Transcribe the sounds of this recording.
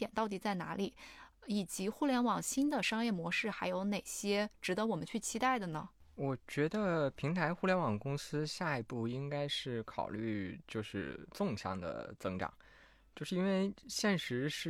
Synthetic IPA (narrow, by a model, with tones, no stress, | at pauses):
ɛ˨˩nt̪ɑ˥˩ʊt̪i˨˩t͡sa˥˩ɪna̰˧˥li˨˩˦i˨˩t͡ɕi˧˥xu˥˧ljɛ˧˥nwɑ˨˩ŋɕi˥nd̪ə˨ʂɑ˥ŋjɛ˥˩mwɔ˧˥ʂɻ̩˥˩xa˧˥ɪjo˧˥ʊne˨˩ɪɕjɛ˥ʈ͡ʂɻ̩˧˥d̪ə˧˦wɔ˨˩mə̰˦nt͡ɕʰy˥˩t͡ɕʰi˥t̪a˥˩ɪd̪ə˩nə˩wɔ˨˩t͡ɕɥɛ˧˥d̪ə˧pʰi˧˥ŋt̪ʰa˧˥ɪxu˥˩ljɛ˧˥nwɑ˨˩ŋkʊ˥ŋsɹ̩˥ɕja˥˩i˧˥pu˥˩i˥ŋka˥ɪʂɻ̩˥˩kʰɑ̰˨˩ʊly˥˧t͡ɕjo˥˧ʊʂɻ̩˥˧t͡sʊ˥˧ŋɕjɑ̰˥˩ŋd̪ə̰˩t͡sɤ˥ŋʈ͡ʂɑ̰˨˩˦ŋ | t͡ɕjo˥˧ʊʂɻ̩˥˩˧i˥nwe˥˩ɪɕjɛ˥˩nʂɻ̩˧˥ʂɻ̩˥˩